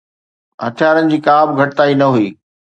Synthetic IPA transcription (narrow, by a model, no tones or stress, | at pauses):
ɦɐt̪ʰijaːɾənɪ̆d͡ʑiːkaːbɡʱɐʈɪt̪aːinɐɦuiː